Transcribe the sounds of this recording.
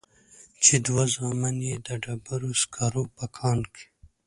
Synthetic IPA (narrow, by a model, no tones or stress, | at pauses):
t͡ʃed̪wazɑmanjed̪əɖabaɾoskʰaɾopakʰɑːnkʰi̥